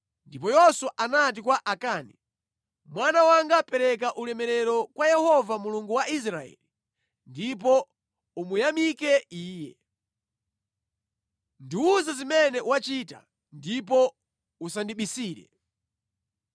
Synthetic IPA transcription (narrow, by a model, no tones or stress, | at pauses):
ndipɔjɔswaʔanat̬ikwaʔakaːni | mwanawaŋɡapɛɾɛk̬aʔulɛmɛɾɛɾɔkwajɛhɔvamuluŋɡuwaʔis̬ɾaɛ̰li | ndip̬ɔ | umujamikɛiːjɛ̰ | ndiuzazimɛnɛwat͡ʃita̰ | ndip̬ɔ | usandiɓisiːɾɛ̰